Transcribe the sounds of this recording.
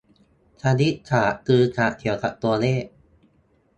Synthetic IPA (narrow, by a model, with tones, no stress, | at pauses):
t͡ɕʰaː˧ni˦˥kʰaː˩˦kɯː˧k̪ʰaː˩˦t̪ʰi˨˩˦wt̪ʰa˧˩ʔt̪u˧ɐleː˥˩